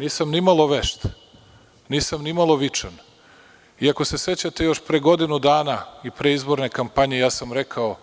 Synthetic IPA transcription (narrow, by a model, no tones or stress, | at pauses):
niːsamnimalˠo̞ʋeʃt̪ | niːsamnimalˠo̞ʋit͡ʃan | iako̞se̞se̞t͡ɕat̪e̞jo̞ʃpɾeɡo̞d̪inud̪aːnaipɾe̞izbo̞ɾne̞kampaɲe̞jaːsamɾe̞kʰao̞